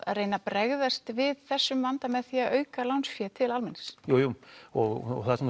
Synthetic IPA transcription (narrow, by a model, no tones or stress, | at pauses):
a̰ðrejnapɾɛɣðast̪vɪðθɛsːʏmvant̪amɛðθiːaʔœːɥkalawnsfjɛt̪ʰɪlalmɪnsjowjuɔɣɔ̰ɣθaðsɛm